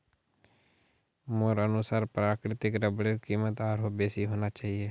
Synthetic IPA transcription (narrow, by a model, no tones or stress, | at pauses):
moːɾənʊsaːɾpɾaːkɾɪt̪ɪkɾəbɽekiːmət̪aːɾɦoːbeːsiːɦoːnaːt͡ʃaːɦieː